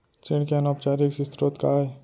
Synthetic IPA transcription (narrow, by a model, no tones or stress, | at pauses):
t͡ʃɪɽkeɐnoːpt͡ʃaːɾiksɪst̪ɾot̪kaːe